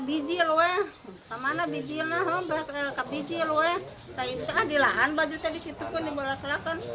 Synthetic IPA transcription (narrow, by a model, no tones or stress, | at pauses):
bid͡ʒilɔɛ | kamanabid͡ʒilnaɦɔbakkabid͡ʒilɔɛ | t̪ait̪aadilaɦanbad͡ʒut̪adikit̪ukundibɔlaklakɔn